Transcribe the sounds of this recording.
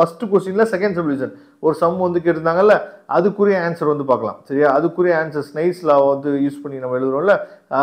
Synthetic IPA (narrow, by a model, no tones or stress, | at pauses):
fɐsʈːɯkosinlɐsɛkɐ̃ɳɖsɐbluːsɐn | ɔɾɯsɐmːʋɐnd̪ɯk̬eːʈːɯnd̪aːŋɡɐlːɐʔɐðɯkːuːɾɪjɐaːnsɐɾʋɐnd̪ɯpaːɾkɐla̰ːmsɐɾɪŋaːɐðɯkːuːɾɪjɐaːnsɐɾsnɐɪʈslaːʋɐʋɐnd̪ɯjuːspɐɳːɪnɐmːɐɛɻɯðɯɾõːɪlːɐ